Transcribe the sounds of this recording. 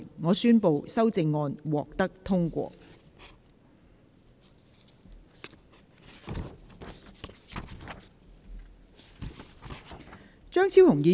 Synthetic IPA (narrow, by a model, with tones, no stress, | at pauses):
ŋɔː˨˧syː˥npo˨wsɐ˥wt͡sɪ˧ŋːɔː˧nwɔ̰ː˨k̚t̪ɐ˥k̚t̪ʰʊ˥ŋkʷɔ̰ː˧ | t͡ʃœː˥ŋt͡sʰiː˥whʊ˨˩ŋjiː˨˧